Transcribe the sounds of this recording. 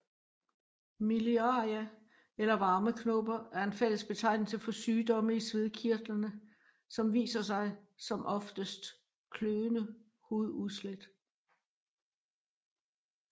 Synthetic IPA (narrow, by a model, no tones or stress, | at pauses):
miliɑæ | elɐʋɑ̈ːməkʰno̰b̥ɐæɐe̝nfel̰əsb̥e̝t͡sʰɑ̈ɪ̰nl̩səfɒ̽syːd̥ɒ̽məisʋe̝ð̞ˠkʰiɐd̥lɐnə | sɒ̽mʋḭːsɐsɑ̈ɪsɒ̽mʔɒ̽fd̥əsd̥ | kʰløʊənə | hoð̩ˠuðˠsled̥